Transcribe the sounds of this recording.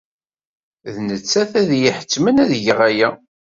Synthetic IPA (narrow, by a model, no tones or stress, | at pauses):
ðnət͡sːæθæðjiħə̥t͡sːmənæðʝəʁæjæ